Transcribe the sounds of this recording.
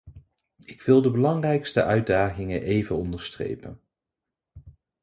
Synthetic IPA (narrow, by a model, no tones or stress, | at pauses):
ɪkʋɪlˠdəbəlɑŋrɛjkstə̰ʔœɥd̚daːχɪŋənʔejvənɔndəɹstrḛjpən